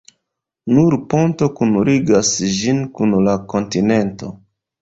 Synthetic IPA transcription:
nuɾpo̞nto̞kunuɾiɡasd͡ʒinkunlako̞ntine̞nto

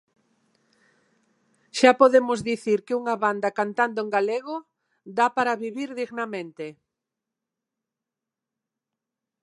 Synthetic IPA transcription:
ʃapoðemʊzðiθiɾkɪuŋɐβand̪ɐkant̪and̪oeŋɡaleɣo | d̪apaɾaβiβiɾðiɣnamẽnt̪e

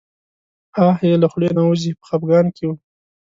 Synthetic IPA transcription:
ɑhjelaxɽenawuzipə̥xapɡɑnkewu

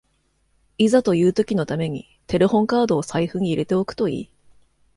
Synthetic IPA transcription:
izat̪o̞jɯ̟ːt̪o̞kʲino̞t̪ame̞ɲ̟ḭ | t̪e̞ɾehõ̞ŋkaːd̪o̞ːsaiɸɯ̟ɲ̟iiɾe̞t̪e̞o̞kɯ̟̥t̪o̞ḭː

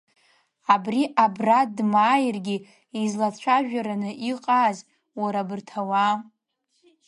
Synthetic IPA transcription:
abriʔabradmaːjrɡʲi | izlat͡ɕʷʰaʒᶣaɾanɨʔiqʼaz | waɾabɨrtʰawa

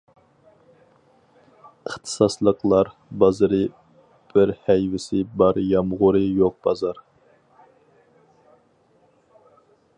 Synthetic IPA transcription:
əχt̪ʰɨ̥sɑslˠəqlˠɑɾbɑzɨɾɨ | b̥ɪɾhɛjvɪsɪbɑɾjɑmʁʊɾɨjoq̚b̥ɑzɑɾ

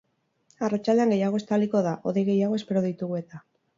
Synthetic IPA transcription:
arat͡ʃalde̞aŋɡe̞jaɣ̞o̞e̞st̪aliko̞ðaʔo̞ðejɣe̞jaɣo̞e̞spe̞ɾo̞ðit̪uɣue̞t̪a

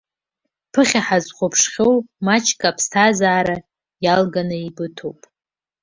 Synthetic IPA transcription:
pʰɨχʲaħazχʷopʰʂχʲowmat͡ʃʰkʼapʰstʰazaːɾa | jalɡanɨibɨtʰowpʼ

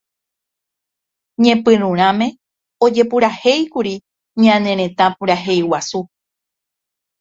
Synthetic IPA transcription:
ɲẽ̞pɨ̃ɾũɾ̃ãmẽ̞ | od͡ʒe̞puɾahe̞jkuɾi | ɲãnẽ̞ɾ̃ẽ̞t̪ãpuɾaɦe̞jwasu

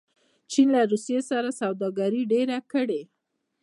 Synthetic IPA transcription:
t͡ʃinlaɾusijesaɾasawd̪ɑɡaɾiɖeɾakəɽe

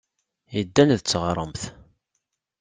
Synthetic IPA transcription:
jəd̪ːænðət͡sːʁɾˤəmθ

